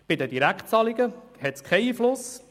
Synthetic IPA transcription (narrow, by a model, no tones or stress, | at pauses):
b̥ɪd̪əd̪iɾækχtt͡sɑlɪɡəhɛtskʰɛiːflʊs